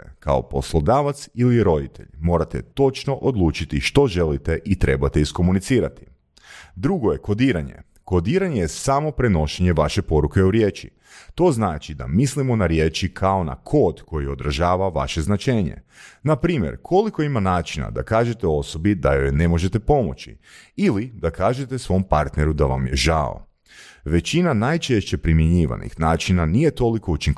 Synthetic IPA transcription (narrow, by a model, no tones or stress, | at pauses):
ka̰o̞po̞slˠod̪aːʋat̪siliɾo̞d̪it̪ʰḛʎmo̞ːɾat̪ḛt̪o̞t͡ʃno̞ʔod̪lˠuːt͡ʃit̪iʃt̪o̞ʒe̞lit̪e̞ʔit̪ɾe̞bat̪e̞isko̞munit̪siːɾat̪i̥ | d̪ɾuɡo̞jeko̞d̪iːɾaɲḛ | ko̞d̪iːɾaɲejesamo̞pɾeno̞ʃeɲeʋaʃe̞po̞ɾuke̞uɾjeːt͡ʃḭ | t̪o̞znaːt͡ʃid̪a̰mislimonaɾjeːt͡ʃikʰao̞na̰kʰo̞ːd̪ko̞jio̞d̪ɾaʒaːʋaʋa̰ʃe̞znat͡ʃe̞ːɲḛ | napɾiːmjḛɾkʰo̞liko̞imanaːt͡ʃina̰d̪a̰kaːʒe̞t̪eo̞so̞bid̪a̰jojne̞mo̞ʒe̞t̪e̞po̞mo̞̰t͡ʃḭilid̪akʰaːʒe̞t̪e̞sʋo̞mpaɾt̪neɾud̪aʋa̰mjeʒao̰ | ʋe̞t͡ɕinanaːjt͡ʃe̞ʃt͡ɕe̞pɾimjeɲiːʋa̰nḭxnaːt͡ʃinanije̞t̪o̞liko̞ut͡ʃiŋk